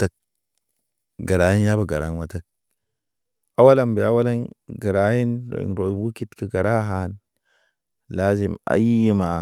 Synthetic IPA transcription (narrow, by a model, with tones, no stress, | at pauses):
ta˦k̚ | ɡa˨ɾa˨ji˦n˦ja˦ba˨ɡa˨ɾa̰˨˦nwa˦ta˦k̚ | a˦wa˦la˦mbi˨a˦wa˦la˦nɡa˨ɾa˨˦ji˦no̰˨ḭ˨nɾo˨bu˦ki˦tkə˨ɡa˨ɾa˦ɦa˨˦n | la˦zi˨ma̰˨ji˦ma˨